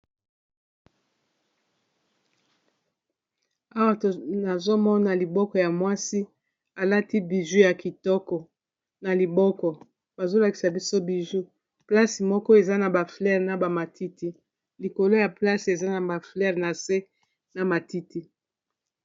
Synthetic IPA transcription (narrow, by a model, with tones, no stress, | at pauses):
a˦wa˦˨na˨zo˦mɔ˦na˨li˨bɔ˦kɔ˨ja˨mwa˦si˦ | a˨la˦ti˦bi˨ʒu˦ja˨ki˨tɔ˦kɔ˨ | na˨li˨bɔ˦kɔ˨ | ba˨zo˦la˨ki̥˨sa˨bi˦so˦bi˨ʒu˦ | pla˦si˨mɔ˦kɔ˦e˨za˦na˨ba˨flɛ˦˨ʁna˨ba˨ma˨tʰi˦ti˦ | li˨ko˨lo˦ja˨pla˦si˨e˨za˦na˨ba˨flɛ˦ʁna˨se˦ | na˨ma˨ti˦ti˦